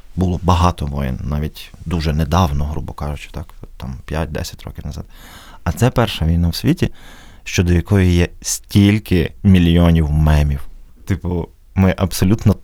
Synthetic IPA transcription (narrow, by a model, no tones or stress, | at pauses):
bʊlˠɔbɐɦɑt̪ɔʋɔjɪ̰nnɑʋʲitʲd̪uʒɛnɛd̪ɑwnɔɦɾṵbɔkɑʒʊt͡ʃɪ̥t̪ɑkt̪ɑmpʲjat̚ʲd̪ɛ̰sʲɐ̥tʲɾɔ̰kʲɪwnɐzɑ̰d̪ | ɐt̪sɛpɛrʃɐʋʲijnawsʲʋʲitʲiʃt͡ʃɔd̪ɔjɐkɔjijɛsʲtʲilʲkɪmʲilʲjɔnʲiwmɛmʲiwt̪ɪpʊ | mɪʔɐbsɔlʲut̪nɔ